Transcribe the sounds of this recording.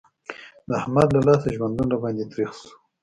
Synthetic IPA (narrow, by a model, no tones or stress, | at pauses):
d̪əahmad̪lalɑsaʒwand̪unabɑnd̪et̪ɾixsu̥